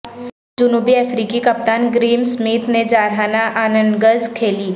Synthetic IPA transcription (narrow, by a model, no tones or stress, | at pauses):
d͡ʒʊnuːbiɛfɾiːkikɐp̚t̪aːnɡɾiːmsmiːt̪ned͡ʒaːɾɦaːnaʔaːnə̃nɡəzkʰeːliː